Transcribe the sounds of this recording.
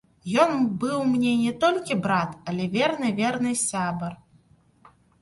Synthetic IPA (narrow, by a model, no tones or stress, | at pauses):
jɔnbɨwmnʲɛnʲɛt̪ɔlʲkʲibɾat̪ɐlʲɛvʲɛrnɨvʲɛrnɨsʲabɐr